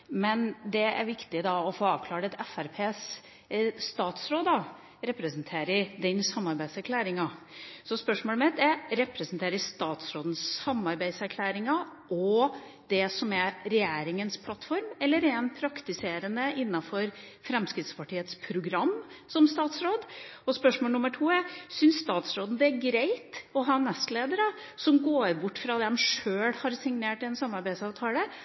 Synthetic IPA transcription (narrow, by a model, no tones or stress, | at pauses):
mɛnd̪ɛæ̰ɾʋɪkt̪ɪd̪ɑɔfoːɑːʋkʰlɑːɖɛt̪ɛfæɾpʰeːsː | t̪ɑːt̪sɾoːd̪ɑ | ɾɛpɾəsnt̪ʰeːɾɪd̪ɛnsɑmːɑɾbæɪsæɾkʰlæːɾɪŋɑ | sɔspœʂmoːlmɛt̪ɛɾɛpɾɛsənt̪ʰeːɾəɪst̪ɑːt̪sɾoːd̪n̩sɑmːɑɾbæɪsæɾkʰlæːɾɪŋɑʔɔ | d̪̥ɛsɔmæɾɛjeːɾɪŋənspʰlɑt̪ːfɔɾmɛlːəɾɛɛnpʰɾɑkt̪ɪseːɾənəɪnːɑfɔɾ | fɾɛmskɾɪt̪spʰɑʈiːət̪spʰɾʊɡɾɑmːsɔmst̪ɑːt̪sɾoːd̪ɔspœʂmoːlnʊmːəʈʰuːæsʏnsst̪ɑːt̪sɾoːd̪n̩d̪ɛæɾɡɾeɪt̪ɔɦɑːnɛst̪leːd̪əɾə | sɔmɡoːɾbʊʈːfɾɑd̪ɛmʂøːɽhɑɾsɪŋneːʈɪɛnsɑmːɑɾbæɪsɑːʋt̪ʰɑːlə